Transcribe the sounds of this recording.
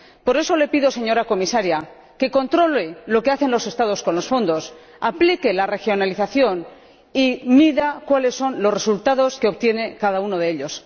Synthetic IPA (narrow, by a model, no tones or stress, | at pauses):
po̞ɾe̞so̞le̞piðo̞se̞ɲo̞ɾako̞misaɾja | ke̞ko̞nt̪ɾo̞lelo̞ke̞aθe̞nlo̞se̞st̪aðo̞sko̞nlo̞sfo̞nd̪o̞s | aplike̞lare̞xjo̞naliθaθjo̞n | imiðakwale̞sːo̞nlo̞sre̞sult̪aðo̞ske̞o̞pt̪je̞ne̞kaðauno̞ðe̞eʎo̞s